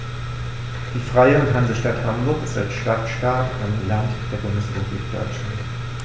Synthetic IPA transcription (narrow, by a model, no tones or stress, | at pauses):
d̥iːfʁ̥aɪəʊntɦanzəʃtathambʊɐsa̰ʃtatʃtaɐkanlantpʁɛkʊŋsboblḭːkd̥ɔ̰ʏt͡ʃlant